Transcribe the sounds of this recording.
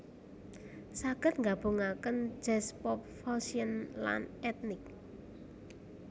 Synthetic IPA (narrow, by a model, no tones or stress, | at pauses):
saɡ̥ə̤t̪̚ŋɡab̥o̤ŋakənd͡ʒ̥ɛspɔp̚fɔsiənla̰nɛt̪̚nɪk̚